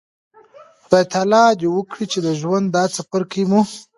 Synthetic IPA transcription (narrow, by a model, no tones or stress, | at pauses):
b̥ajt̪alɑd̪ewəkɽit͡ʃed̪əʒwand̪ːɑt͡sapaɾkʰəimu